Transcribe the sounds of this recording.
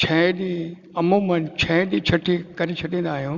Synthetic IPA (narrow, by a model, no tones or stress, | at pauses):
t͡ʃʰɐɗi | ɐmõːmɐnt͡ɕʰɐɗiːt͡ʃʰɐʈʰikɐɾet͡ʃʰɐʈĩːn̆d̪aːɦijoː